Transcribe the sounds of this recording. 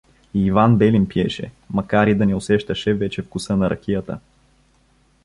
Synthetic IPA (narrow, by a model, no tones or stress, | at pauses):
iːvanbɛlimpiɛ̰ʃɛ̰ | mɐkaɾid̪ɐnɛʊsɛʃt̪əʃɛvɛt͡ʃɛfkʊsɤnɐɾʔɐ̰k̟ʲijət̪ə̰